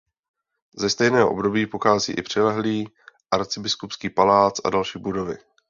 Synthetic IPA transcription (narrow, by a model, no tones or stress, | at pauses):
zɛst̪ɛjnɛːɦoʔo̞̰bdo̞biːpoxaːzḭːʔɪpr̝̥ɛlɛɦliː | ʔaɾt͡sɪbɪskupskiːpalaːt͡sʔa̰dalʃiːbudo̞vɪ̰